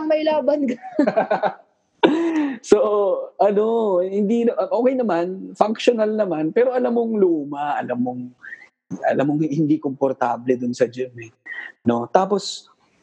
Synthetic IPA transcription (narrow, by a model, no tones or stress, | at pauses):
ɐŋmɐjlaːbɐnkɐ | so̞ʔɐno̞hɪnd̪inɐʔɐŋʔoːkɛjnɐmanfɐŋkʃonalnɐmanpɛːɾo̞ʔɐlamːoŋluːmɐʔɐlamːoŋ | ɐ̰lamːoŋhɪnd̪ikompoɾt̪aːblɛd̪ʊnsɐd͡ʒonɛno̞t̪aːpo̞s